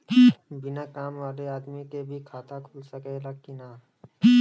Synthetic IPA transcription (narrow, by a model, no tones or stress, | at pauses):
bɪnakaːmʋaːleaːd̪mikebʱikʰaːt̪akʰulsəkeləɡkinaː